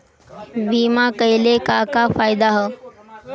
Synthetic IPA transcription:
biːmakəjlekakafajd̪aɦə

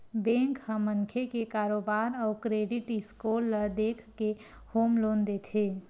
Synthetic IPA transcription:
bẽŋkhə̃məŋkʰekekaːɾoːbaːɾɔːɾkɾeːɖɪʈɪskoːlːəd̪eːkʰke | hoːmloːnd̪et̪ʰeː

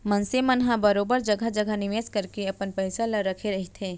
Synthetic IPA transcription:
mɐnsemənɦãbəɾoːbəɾd͡ʒɐɡʱad͡ʒəɡʱənɪʋeːskəɾkeɐpənpɛɪsalaɾɐkʰeɾɐɦit̪ʰeː

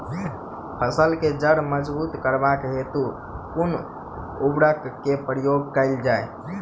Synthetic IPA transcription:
pʰəsəlked͡ʒəɽməd͡ʒbut̪kəɾbakɦet̪u | kun | ubɽəkkːepɾijoɡ̚kəɪld͡ʒaj

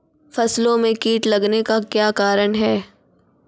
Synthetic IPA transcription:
fɐslõmẽkiːʈlɐɡnekakjaːkaːɾəɳ̃ɦɛː

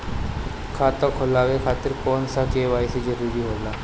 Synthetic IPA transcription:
kʰat̪ɔkʰolaʋekʰat̪ːiɾkɔnsakeʋajsid͡ʑəɾuɾiːɦola

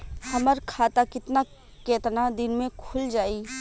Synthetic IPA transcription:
hɐməɾkʰaːt̪akɪt̪na | keːt̪nad̪ɪnmẽkʰʊld͡ʒaːiː

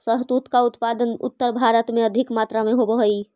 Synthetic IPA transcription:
səɦt̪ut̪kaut̪pad̪ənʊ̰t̪ːəɾbʱaɾət̪mẽəd̪ʱikmat̪ɾameɦobəɦəi

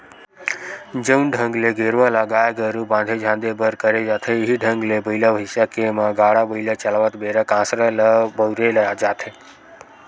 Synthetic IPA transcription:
d͡ʒənɖʱə̃ŋɡleɡeɾʋalaɡaːjɡəɾubãːnd̪ʱed͡ʒʱãːnd̪ebəɾkəɾed͡ʒaːt̪ʰeɪɦiɖʱəŋɡlebəiləʋɦɪsakemãɡaːɽabʱəɪlat͡ʃəlaʋət̪beɾəkãːsɾələbəwɾelad͡ʒaːt̪ʰe

